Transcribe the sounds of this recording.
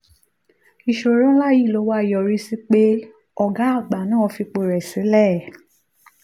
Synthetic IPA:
i˨ʃo˨ɾɔ̃˦la˦˨ji˦˨lo˨˧˦wa˦i˨jɔ˨ɾi˦si˦k͡pe˦ | ɔ˨ɡa˨˦a˦˨ɡ͡ba˨nãː˦˨ɔ˧fi˧k͡po˧ɾɛ˨sĩ˨˦lɛ˦˨

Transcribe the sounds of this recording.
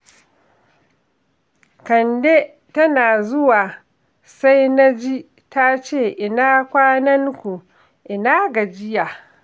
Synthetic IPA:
kɐ˨nde˦ | tɐ˦naː˨zʊ˦waː˨ | sa˦jna˦d͡ʒi˦ | ta˦t͡ʃeː˦˨ʔɪ˨naː˦kʷaː˦nɐ˦ŋkʷu˨ | ʔɪ˨naː˦ɡɐ˨d͡ʒɪ˦ja˨

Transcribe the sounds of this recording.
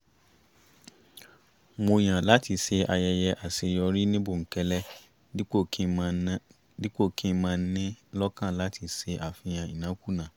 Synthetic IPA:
mo˧j̃ã˨la˦ti˧se˧ʔa˧jɛ˧jɛ˧ʔa˨se˧jɔ˧ɾi˦nĩ˦bo˦˨ŋ̩˨kɛ˧lɛ˦ | o˦˨kʰi˦˧˦ | di˦k͡po˦˨kĩ˦mãː˦˧˦nĩ˦lɔ˦kã˦˨la˨˦tʰi˧se˧ʔa˨fĩ˧j̃ã˧i˨nã˨˦ku˦˨nã˨

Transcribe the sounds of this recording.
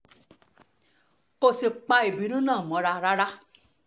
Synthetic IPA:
ko˧si˨k͡pa˧i˨bi˨˦nũ˦nãː˦˨mɔ̃˨˧˦ɾa˧ɾa˦ɾa˦

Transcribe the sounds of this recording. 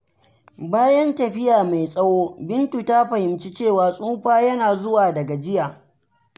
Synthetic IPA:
baː˦jɐ˦ntɐ˨ɸɪ˦jaː˨ma˨jsʼɐ˦woː˦bɪ˦ntu˨ta˦ɸɐ˨hɪ˨mt͡ʃi˦t͡ʃeː˦˨waː˨sʼuː˦ɸaː˦jɐ˦naː˨zʊ˦waː˨dɐ˨ɡa˨d͡ʒɪ˦ja˨

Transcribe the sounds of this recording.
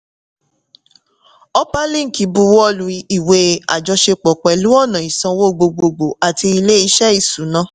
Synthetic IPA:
ɔ˦pa˦lĩ˦ŋ̩˨ki˨˦bu˧˦wɔ˦lu˨˦i˧i˨we˨˦a̰˨d͡ʒɔ˧ʃe˧k͡pɔ˨k͡pɛ˨lu˨˦ɔ˦˨nã˨i˨sã˧wo˦˨ɡ͡bo˧ɡ͡bo˧ɡ͡bo˨a˨ti˧i˧le˦i˧ʃɛ˦i˦˨su˨˦nã˦

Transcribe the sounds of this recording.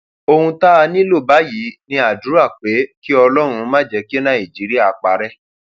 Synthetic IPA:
o˧hũ˧ta˦a˧nĩ˦lo˦˨ba˨˦ji˨˦nĩ˧a˨du˨˦a˦˨k͡pe˨˦ki˦ɔ˧lɔ˦ɾ̃ũ˧mãː˦˨d͡ʒɛ˧˦ki˦e˦nã˦˨i˨d͡ʒi˨˦ɾi˦a˦˨k͡pa˨˦ɾɛ˦

